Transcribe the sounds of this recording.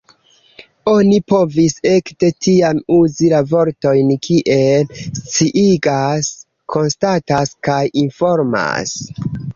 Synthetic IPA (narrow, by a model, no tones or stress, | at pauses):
o̞nipo̞vise̞kte̞tiamuzilavo̞ɾto̞jnkʰiʔe̞lst͡siʔiɡas | kʰo̞nstataskajinfo̞ɾma̰s